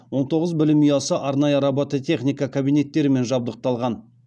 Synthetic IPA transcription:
wo̞ɴt̪ʰo̞ʁəzbɪlɪmijɑsəʔɑɾnɑjəɾɑbot̪ət̪ʲʰe̞χnʲijkɑkʰabijnʲe̞t̪ːe̞ɾɪme̞nʒɑb̚d̪əq̚t̪ɑlˠʁɑn

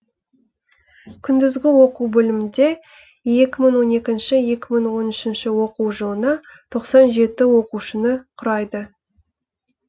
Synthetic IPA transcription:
kʲʰʏnd̪ɪzɡʲɪwo̞quwbɵlɪmɪnd̪e̞ | je̞kʲɪməɴwo̞ne̞kʲɪnʃɪje̞kʲɪməɴwo̞nʏʃɪnʃɪwo̞quwʒəlˠənɑt̪ʰo̞qsɑnʒe̞t̪ɪwo̞quʃənəqʰʊɾɑjd̪ə

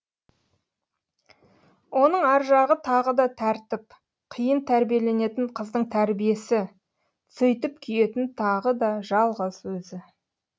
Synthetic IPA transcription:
wo̞nəɴæɾʒɑʁət̪ʰɑʁəd̪ɑt̪ʰæɾt̪ɪp | qʰijənt̪ʰæɾbije̞le̞ne̞t̪ɪɴqʰəzd̪əɴt̪ʰæɾbije̞sɪ | sʏjt̪ɪpkʲʰʏje̞t̪ɪnt̪ʰɑʁəd̪ɑʒɑlˠʁəz̥wɵzɪ

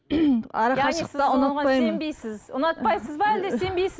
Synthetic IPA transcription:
ɑɾɑɑniəɪɑʊnɑɑpɑsj̪məembejsɪzʊ̰nɑt̪̚pɑjsəzbɑæld̪ese̞mbe̞jsɪ

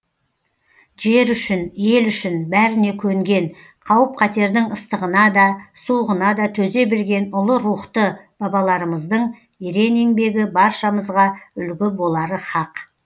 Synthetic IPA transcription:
ʒe̞ɾʏʃɪnje̞lʏʃɪnbæɾɪne̞kʲʰɵŋɡʲe̞n | qʰɑwəp̚qʰɑt̪e̞ɾd̪ɪŋəst̪əʁənɑd̪ɑsuʁənɑd̪ɑt̪ʰɵze̞bɪɾɡʲe̞nʊlˠəɾuχt̪əb̥ɑbɑlˠɑɾəməzd̪əɴ | eɾe̞neŋbe̞ɡʲɪbɑɾʃɑməzʁɑʏlɡʲɪbo̞lˠɑɾəχɑq

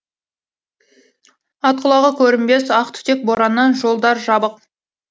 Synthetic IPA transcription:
ɑt̪̚qəlˠɑʁəkʲʰɵɾɪmbe̞sɑqt̪ʰʏ̥t̪e̞k̚boɾɑnːɑnʒo̞lˠd̪ɑɾʒɑbəq̚

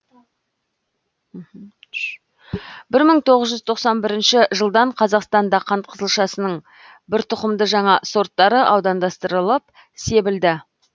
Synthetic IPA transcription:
m̩ | bɪɾməɴt̪ʰo̞ʁəzʒʏzt̪ʰo̞qsɑnbɪɾɪnʃɪʒəlˠd̪ɑɴqʰɑzɑqst̪ɑnd̪ɑqʰɑnt̪̚qʰəzəlˠʃɑsənəɴ | bɪɾt̪ʰʊqəmd̪əʒɑɴɑso̞ɾt̪ːɑɾəʔɑwd̪ɑnd̪ɑst̪əɾəlˠəp̚ | se̞bɪld̪ɪ

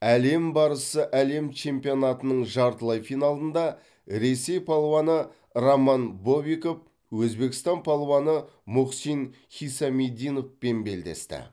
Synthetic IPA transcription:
æle̞mbɑɾəsəʔæle̞mt͡ʃʰe̞mpijo̞nɑt̪ənəɴʒɑɾt̪əlˠɑjfijnɑlˠənd̪ɑ | ɾe̞se̞jpʰɑlˠowɑnə | romɑnbo̞biko̞p̚ | wɵzbe̞kʲɪ̥st̪ɑnpʰɑlˠowɑnə | mʊqsin | χijsɑmed̪ijno̞fpe̞nbe̞ld̪e̞̰st̪ɪ̰

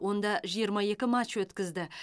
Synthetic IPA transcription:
wo̞nd̪ɑʒijəɾmɑje̞kʲɪmatt͡ʃwɵt̪kʲɪzd̪ɪ

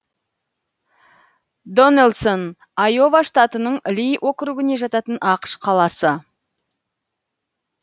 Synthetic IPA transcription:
d̪o̞nelˠson | ɑjo̞vaʂt̪ɑt̪ənəɴɪlijʔo̞kɾuɡɪne̞ʒɑt̪ɑt̪ənʔɑqʃqʰɑlˠɑsə

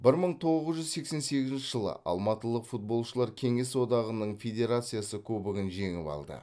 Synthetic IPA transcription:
bɪɾməɴt̪ʰo̞ʁəzʒʏzse̞kse̞nse̞ɡʲɪzɪnt͡ʃɪʒəlˠə̰ʔɑ̰lˠmɑt̪əlˠəqfut̪̚bo̞lˠʃəlˠɑɾkʲʰe̞ŋe̞swo̞d̪ɑʁənəɴfʲe̞d̪ʲe̞ɾat̪sɨjasəkʲʰɵbɪɡʲɪnʒe̞ŋɪ̰pɑ̰lˠd̪ə̰

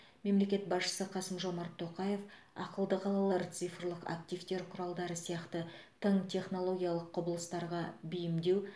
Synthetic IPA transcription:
me̞mle̞kʲe̞t̪bɑsʃə̥səqʰɑsəmʒo̞mɑɾt̪ʰːo̞qɑje̞f | ɑ̰qəlˠd̪əqʰɑlˠɑlˠɑɾt̪sɨjfrlˠəqa̰kt̪ijft̪e̞ɾqʰʊɾɑlˠd̪ɑɾəsijɑqt̪ət̪ʰəɴt̪ʲʰe̞χno̞lˠo̞ɡʲijɑlˠəqʰːʊbəlˠəst̪ɑɾʁɑbijɪmd̪e̞w

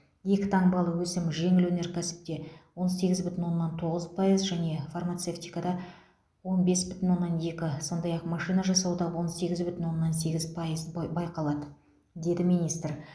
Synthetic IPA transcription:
je̞kʲɪ̥t̪ʰɑɴbɑlˠəwɵsɪmʒe̞ŋɪlwɵne̞ɾkʲʰæsɪ̥p̚t̪e̞wo̞nse̞ɡʲɪzbʏt̪ɪnwo̞nːɑnt̪ʰo̞ʁəzpʰɑjəzʒæne̞farmɑt̪seft̪ijkad̪ɑ | wo̞nbe̞sbʏt̪ɪnwo̞nːɑnje̞kʲɪso̞nd̪ɑjɑqmɑʃijnɑʒɑsɑwd̪ɑwo̞nse̞ɡʲɪzbʏt̪ɪnwo̞nːɑnse̞ɡʲɪzpʰɑjəzbɑjqɑlˠɑd̪ə | d̪e̞d̪ɪmijnijst̪r

